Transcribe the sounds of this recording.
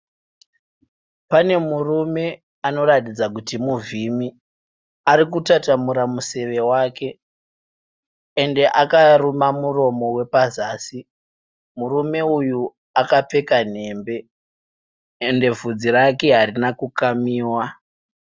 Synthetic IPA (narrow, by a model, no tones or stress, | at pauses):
pane̞murume̞ | ano̞ɾatid͡zakutimuvimi | aɾikutatamuɾamuse̞ʋe̞waːke̞ | nde̞ʔakarumamuro̞mo̞we̞pazaːsi | murume̞uju | akap͡fe̞kan̤e̞ːmbe̞ | nde̞vud͡zirake̞ɦaɾinakukamiːwa